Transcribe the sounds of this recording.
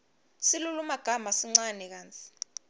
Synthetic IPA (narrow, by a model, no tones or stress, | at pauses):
silulumaɡ̥ʱamasiŋ͡ǀanɛk̬aːnt͡sʰʼi̥